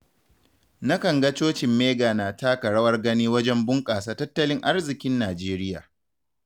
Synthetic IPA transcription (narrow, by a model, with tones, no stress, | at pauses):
na˦kɐ˨ŋɡɐ˦t͡ʃoː˦t͡ʃɪ˨mːeː˦ɡaː˨naː˨taː˦kɐ˨ɽɐ˦wɐ˦rɡɐ˦niː˦wɐ˦d͡ʒɛ˦mbʊ˦ŋkʼaː˨saː˦tɐ˦tːɐ˦lɪ˦ŋʔa˦rzɪ˨kʲɪ˦nːaː˨d͡ʒeː˦ɾɪ˦ja̰ː˨